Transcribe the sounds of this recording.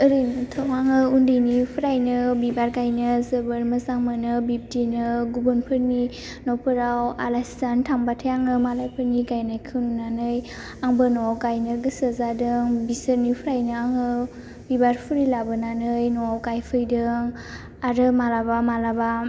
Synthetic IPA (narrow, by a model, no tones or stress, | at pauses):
ɯɾɯjnɯtʰɔŋaŋɯundɯjnipʰɯɾajnɯbibaɾɡajnɯzəbəɾməzaŋmanɯbip̚tinɯɡubɯnpʰɯɾni | nɔwpʰɯɾawa̰lajstantʰaŋbatʰajaŋɯmalajpʰɯɾniɡajnajkʰɯnunanɯj | aŋbɯnɔwawɡajnɯɡɯsəzadɯŋbisəɾnipʰɯɾajnɯaŋɯ | bibaɾpʰɯɾilabɯnanɯjnɔwawɡajpʰɯjdɯŋ | aɾɯmalabamalaba